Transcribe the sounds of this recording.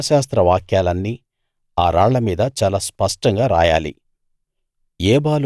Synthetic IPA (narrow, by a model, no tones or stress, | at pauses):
ʃaːs̬t̪ɾɐʋaːkjaːlɐnːiː | aːɾa̰ːɭːɐmiːd̪ɐt͡ʃaːlaːspɐʂʈɐŋɡaːɾa̰ːja̰ːlḭ | ɛːbaːl